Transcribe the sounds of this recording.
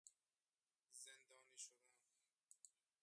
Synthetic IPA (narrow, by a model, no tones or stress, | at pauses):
zend̪ɔːniːʃod̪am